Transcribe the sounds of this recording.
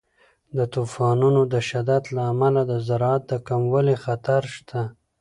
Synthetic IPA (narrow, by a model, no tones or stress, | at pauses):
d̪ət̪ufɑnunod̪əʃad̪ad̪laːmalad̪əzaɾɑat̪̚d̪əkamwəlixat̪aɾʃt̪ʰa